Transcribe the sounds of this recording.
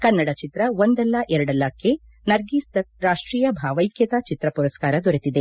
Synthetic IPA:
kɐnːɐɽɐt͡ʃit̪ɾɐond̪ɛlːɐʔɛɾɐɽɐlːɐkːe | nɐɾɡiːst̪ɐt̪ɾaːʂʈɾiːjɐbʱaːʋɐjkʰjɐt̪ɐt͡ʃit̪ɾɐpuɾɐskaːɾɐd̪oɾet̪id̪e

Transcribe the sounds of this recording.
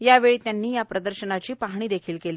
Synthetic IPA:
jaʋeɭiːt̪janːiːjapɾəd̪əɾɕənat͡ɕiːpaɦɳ̃iːd̪ekʰiːlkeliː

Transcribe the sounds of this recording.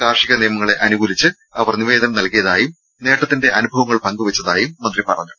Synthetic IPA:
kaːrʂiɣɐnijɐmɐŋːɐɭe̞ʔɐnuɡuːlit͡ɕːɨ | ɐʋɐrniʋe̞ːd̪ʱɐnɐmnɐlkijɐðaːjum | ne̞ːʈːɐt̪ːinde̞ʔɐnubʱɐʋɐŋːɐɭpɐŋɡuʋɐt͡ɕːɐðaːjumːɐnd̪ripɐrɐ̰ɲːu

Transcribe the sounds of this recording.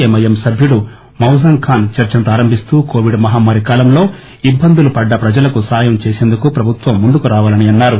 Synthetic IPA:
emɐjɐmsɐbʱjuɽu | mɐwzɐŋkʰaːnt͡ʃɐɾt͡ʃɐnt̪aːɾɐmbʱist̪uːkoːʋiɖmɐɦaːmaːɾikaːlɐmlo̞ː | ibːɐnd̪ulupɐɖːɐpɾɐd͡ʒɐlɐkusaːjɐmt͡ʃeːseːnd̪ukupɾɐbʱut̪ʋɐmːund̪ukuɾaːʋaːlɐniɐnːaːɾu

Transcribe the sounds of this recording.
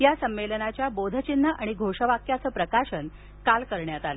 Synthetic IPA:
jasəmːelənat͡ɕjabod̪ʱət͡ɕinːəʔaɽ̃iɡʱoʂəʋakjat͡səːpɾəkaʂən | kalkəɾɳjat̪ale

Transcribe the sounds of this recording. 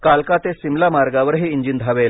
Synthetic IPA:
kalkat̪esimlamaɾɡaʋəɾɦiːiɲd͡ʑind̪ʱaʋel

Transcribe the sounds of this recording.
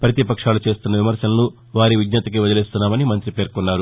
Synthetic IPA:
pɾɐt̪ipɐkʂaːlut͡ʃe̞ːst̪unːɐʋimɐɾsɐlɐnu | ʋaːɾiʋid̪nɐt̪ɐk̬iʋɐd̪ɐleːst̪unːaːmɐnimɐnt̪ɾipe̞ːɾkunːaːɾu

